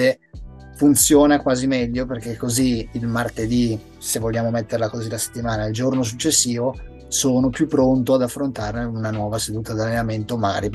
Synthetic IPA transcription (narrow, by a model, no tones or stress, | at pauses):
e | funt̪sjoːnakwaːzimɛʎːoperk̟ekːoziːlmart̪ed̪i | sevːoʎːaːmomet̪ːeɾlakozilase̥t̪ːimaːnaild͡ʒornos̬ut͡ʃːesːiːvo | soːnopjupːɾont̪oad̪afːɾont̪aːrneunanwɔːvased̪uːt̪ad̪alːenament̪omaɡa̰ɾi